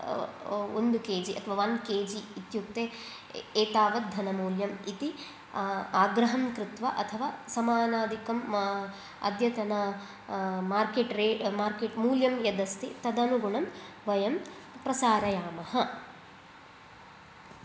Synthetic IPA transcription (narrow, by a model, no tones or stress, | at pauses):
ond̪ukeːd͡ʒiʔɐ̰t̪ʰɐʋaːʋɐnkeːd͡ʒiːt̪juk̚t̪eː | eːt̪aːʋɐd̪ʱːɐnɐmuːljɐmit̪i | aːɡɾɐɦɐmkɾɪt̪ʋɐʔɐt̪ʰɐʋaːsɐmaːnaːd̪ikɐm | ɐ̰d̪jɐt̪ɐnɐ | maːɾkeːʈɾeːmaːɾkeːʈmuːljɐmjɐd̪ɐst̪it̪ɐd̪ɐnuɡuɳɐm | ʋɐjɐm | pɾɐsaːɾɐjaːmɐhɐ